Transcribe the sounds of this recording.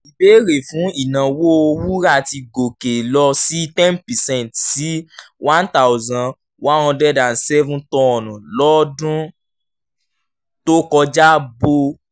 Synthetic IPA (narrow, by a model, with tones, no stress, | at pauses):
i˨be˨˦ɾe˨fũ˨˦i˨nã˨wo˦o˧wu˦ɾa˦˨ti˧ɡo˨ke˨lɔ˧si˦tɛ̃˦npɛ˨sɛ̃˦˨ntsi˨˦wã˦nta˦˨wzã˧ | wã˦ɔ̃˧dɛ˦dã˨n̩˨sɛ˦vũ˦tɔ˦˨nũ˨lɔ˦dũ˦ | to˦kɔ˧d͡ʒa˦bo˧